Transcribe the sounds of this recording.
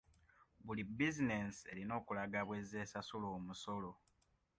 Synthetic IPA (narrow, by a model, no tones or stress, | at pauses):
βulibizine̞se̞ɾino̞ːkulaɡaβwe̞zeːsasuloːmuso̞lo̞